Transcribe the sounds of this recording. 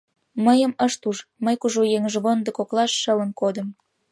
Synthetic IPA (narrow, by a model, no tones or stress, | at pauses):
məjəməʃt̪uʃməjkuʒojeŋʒβond̪ə̆koklɑʃːələ̆nkod̪ə̆m